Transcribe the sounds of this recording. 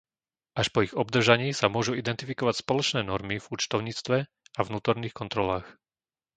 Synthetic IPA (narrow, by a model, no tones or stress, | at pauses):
ʔaʃpɔiɣɔb̚d̪r̩ʒaɲiːsamʊɔʒuid̪ɛnt̪ifikɔʋacspɔlɔt͡ʃnɛːnɔɾmivut͡ʃt̪ɔʊɲiːt͡st̪ʋɛ | avnuːt̪ɔɾniːxkɔnt̪ɾɔlaːx